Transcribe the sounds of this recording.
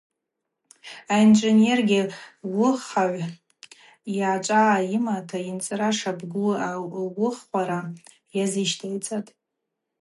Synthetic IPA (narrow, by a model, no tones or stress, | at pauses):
aind͡ʒʷenerɡʲɪwʊχaʕʷ | jaːt͡ʃʷʼaːimatʰaint͡sʼɾaʂabɡʷuawʊχʷaɾa | jazɨʃtʰajt͡sʼatʼ